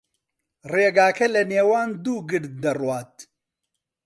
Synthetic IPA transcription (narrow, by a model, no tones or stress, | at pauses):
reːɡaːkʰɐlɐneːwaːnd̪uːɡɨɽd̪̚d̪ɐrwaːt̪̚